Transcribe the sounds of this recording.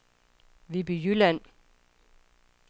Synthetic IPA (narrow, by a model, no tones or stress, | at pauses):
ʋib̥yjylæn